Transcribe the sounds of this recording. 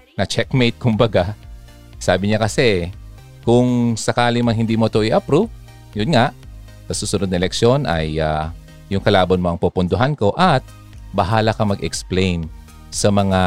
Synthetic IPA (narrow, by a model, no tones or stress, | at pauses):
nɐt͡ʃɛkmejt̪̚kʊmbɐɡa | saːbɪɲakɐsɛ | kʊŋsɐkaːlɪmɐŋhɪnd̪imɐt̪oʔɪʔɐpɾu | jʊnŋaʔ | sɐsuːsʊnod̪nɐ̃ʔɛlɛkʃo̞nʔɐ̰ja | jʊŋkɐlaːbɐnmoɐŋpupʊnd̪ʊɦanko̞ʔɐt̪̚ | bɐɦaːlɐkɐmɐɡɛksplejn | sɐmɐŋa